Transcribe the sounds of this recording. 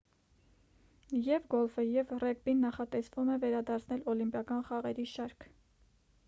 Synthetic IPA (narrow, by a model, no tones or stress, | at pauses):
jɛvɡɔlfəjɛvrɛk̚binːɑχɑt̪ɛsvumɛvɛɾɑd̪ɑɾt͡sʰnɛlɔlimpjɑkɑnχɑʁɛɾiʃɑɾkʰ